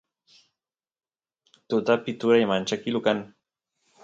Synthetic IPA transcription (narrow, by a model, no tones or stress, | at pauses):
t̪ut̪apit̪uɾajamant͡ʃakilukan